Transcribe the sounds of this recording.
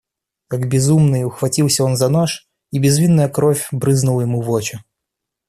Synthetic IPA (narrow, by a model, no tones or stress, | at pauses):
kaɡbʲɪzumnɨjʊxvɐtʲilˠsʲəo̞nzɐnoʂ | ibʲɪzvʲinːəjəkɾofʲbɾɨznʊlˠəjɪmuvot͡ɕɪ